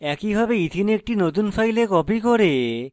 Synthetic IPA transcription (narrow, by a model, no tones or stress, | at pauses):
ɛkibʱabeit̪ʰinek̚ʈinot̪unfajlekɔpikoɾe